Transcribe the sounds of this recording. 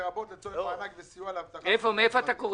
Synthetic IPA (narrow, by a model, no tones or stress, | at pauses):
ʁabot̪let͡soeanakvesijualavt̪aefomeefoat̪akoʁ